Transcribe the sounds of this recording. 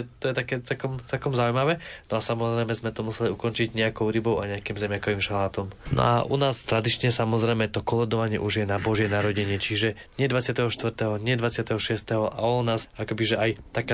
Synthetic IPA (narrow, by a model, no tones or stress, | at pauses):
t̪ɔjɛt̪akɛːt͡sɛlkɔmt͡sɛlkɔmzaujmaʋɛnɔasamɔzɾɛjmɛzmɛt̪ɔmusɛliukɔnt͡ʃiɟɲɛakɔʊɾibɔʊaɲɛakimzɛmjakɔʋiːmʃalaːt̪ɔmnɔ̰aʔṵnaːst̪ɾad̪it͡ʃɲɛsamɔzɾɛjmɛt̪ɔkɔlɛd̪ɔʋaɲɪɛ̰ʔuʒjɛnabɔʒjɛnaɾɔɟɛɲɛt͡ʃiʒɛ | ɲɪɛd̪ʋat͡sɪat̪ɛɦɔʃt̪ʋr̩t̪ɛɦɔɲɪɛd̪ʋat͡sɪat̪ɛɦɔʃɪɛst̪ɛɦɔʔa̰unaːsakɔbiʒɛʔajt̪aka